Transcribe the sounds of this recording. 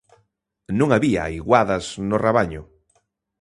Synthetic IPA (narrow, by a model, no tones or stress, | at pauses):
nũŋaβiaiɣwaðaznoreβaɲʊ